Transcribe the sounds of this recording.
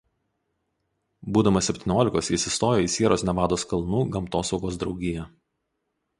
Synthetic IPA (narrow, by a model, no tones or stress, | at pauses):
buːd̪ɐmɐsʲɛpʲt̪ʲɪːnʲoːlʲɪkoːsʲɪsʲɪst̪oːjoːiːsʲiɛɾoːsnʲɛʋɑːd̪oːskɐlˠnuːɡɐmt̪oːsɒʊɡoːsd̪ɾɒʊɡʲɪjɛ